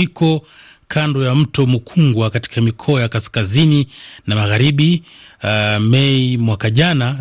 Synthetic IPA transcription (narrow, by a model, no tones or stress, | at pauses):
ikɔ | kʰandɔjam̩tɔmukʰuŋɡwakati̥kamikʰɔajakaskazininamaɣaɾiɓi | mɛimwakaʄana